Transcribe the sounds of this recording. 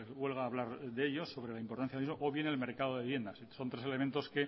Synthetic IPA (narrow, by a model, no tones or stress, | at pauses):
βwe̞lɣ̞aːβlaɾðeeʎo̞sːo̞βɾe̞laimpoɾt̪anθjaizmoʔoβje̞nelme̞ɾkað̞oðeβje̞nd̪asso̞nt̪ɾe̞se̞le̞ment̪o̞ske̞